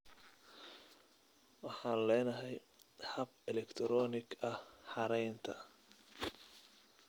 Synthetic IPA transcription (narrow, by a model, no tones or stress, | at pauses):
wɑħɑːnlɛːnɐɦɛj | hɐb̚ɛlɛkt̪ʰɾɔːnɪɡɐhħɑɾɛjnt̪ʰɐ